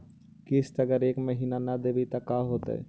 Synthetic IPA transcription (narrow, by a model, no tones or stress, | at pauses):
kɪst̪ɐɡəɾeːkməɦiːnanad̪ebit̪ɐkaːɦoːt̪ɛ̰